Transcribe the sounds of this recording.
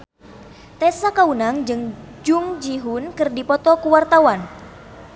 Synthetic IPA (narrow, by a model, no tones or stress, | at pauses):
t̪ɛsakaunaŋd͡ʒɨŋd͡ʒuŋd͡ʒiɦunkɨrdipɔt̪ɔkuwart̪awan